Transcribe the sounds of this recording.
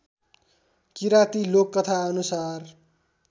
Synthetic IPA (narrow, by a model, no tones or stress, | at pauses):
kiɾat̪ilokːʌt̪ʰaʌnusar